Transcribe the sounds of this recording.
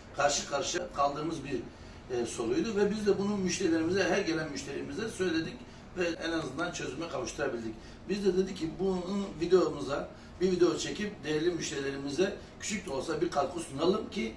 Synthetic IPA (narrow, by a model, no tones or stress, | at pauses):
kʰaɾʃɯkʰaɾʃkʰalˠd̪ɯɾmɯzbiɾ | so̞ɾujd̪uvɛbizd̪ɛbununmyʃt̪ʰe̞ɾilʲe̞ɾimizɛɦæɾɟelʲænmyʃt̪ʰe̞ɾimizd̪ɛsø̞jlʲe̞d̪ic | vɛɛnazɯnd̪ant͡ʃʰø̞zylʲmɛkʰavɯʃt̪ʰɯɾabilʲd̪ic | bizd̪ɛd̪ed̪icʰːibunvid̪ejomuza | biɾvid̪eot͡ʃʰe̞cʰip̚d̪ejɛɾlʲimyʃt̪ʰeilʲe̞ɾimizɛ | cʰy̥t͡ʃʰyc̚ʲt̪ʰɛo̞lˠsabiɾkʰalˠkʰusunalˠɯmcʰi